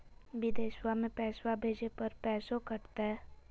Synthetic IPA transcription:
bɪd̪eːʃwamẽpɛːswabʱeːd͡ʒepɐɾpɛːsokɐɾt̪aɦɛː

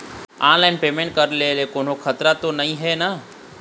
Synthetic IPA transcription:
ãːnlaɪnpeːmẽɳʈ̚kəɾlelekoːn̤okʰət̪ɾat̪onɐĩɦɛna

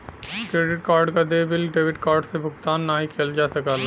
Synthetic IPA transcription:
kɾeːɖɪʈkaːɾɖkad̪eːbɪlɖeːʋɪʈkaːɾɖsebʱʊɡ̚t̪aːnːaːɦikʰeld͡ʒaːsɐkaːl

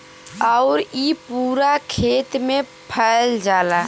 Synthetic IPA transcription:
əʊɾipuːɾakʰeːt̪mẽ | pʰəld͡ʒaːla

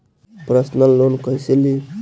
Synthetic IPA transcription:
pɾəsnalːonkəjseli

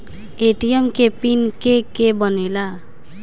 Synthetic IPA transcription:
eʈijemkepinkekebənela

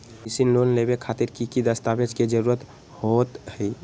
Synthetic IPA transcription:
isinlonlebekʰat̪iɾkikid̪əst̪abed͡ʒked͡ʒəɾuɾət̪ | hot̪ɦəj

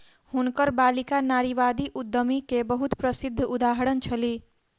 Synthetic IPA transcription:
hunkəɾbalikanaɾiʋad̪iʔud̪ʱːəmikebəɦut̪pɾəsid̪ʱːud̪aɦəɾənt͡ʃʰəli

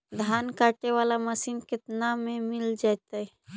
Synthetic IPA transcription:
d̪ʱaːnkaːʈeʋaːlaməsiːnkɪt̪namẽmɪld͡ʒaːjt̪aɦɛ

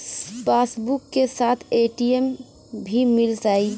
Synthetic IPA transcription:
paːsbʊkːesaːt̪ʰeːʈiem | bʱimɪld͡ʒaːi

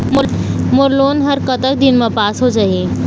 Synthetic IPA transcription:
mmoɾloːnɦəɾkət̪ək̚d̪ɪnmẽpaːsɦod͡ʒaːɦie

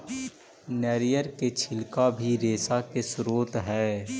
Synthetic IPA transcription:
nɛːɾijəɾket͡ʃʰɪlkabʱiɾeːsakesɾoːt̪ɦɛː

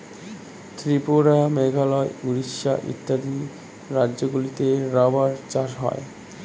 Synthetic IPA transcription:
t̪ɾipoɾameɡʱalɔeuɾiʃaʔḭt̪ːad̪i | ɾadːʑoɡulit̪eɾabaɾt͡ɕaʃɦɔ̰ḛ

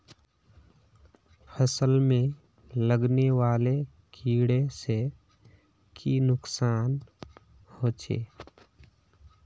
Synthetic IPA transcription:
pʰəsəlmẽ | ləɡneʋaːle | kʰiːɽese | kʰinʊksaːn | hoːt͡ʃʰḛː

